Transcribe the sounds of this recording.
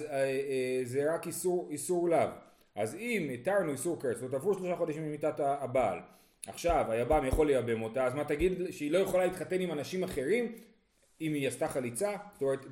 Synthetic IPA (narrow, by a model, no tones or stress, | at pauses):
zeʁakisuʁisuʁlav | ʔazimetaʁnuisuʁkesvotavuʃloʃaχo̞daʃimemitataːba̰ːl | aχʃavajabamjaχo̞lːejabe̞mo̞taːzmataɡid̪ʃeilo̞jeχolalit̪χate̞nimanaʃimaχe̞ʁim | imijastaχalit͡sazo̥tome̞ʁet̪